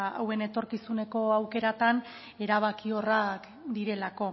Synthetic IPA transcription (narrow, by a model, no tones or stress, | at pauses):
a̰we̞ne̞t̪o̞ɾkisune̞ko̞awke̞ɾat̪an | e̞ɾaβ̞akio̞rak | d̪iɾe̞lako̞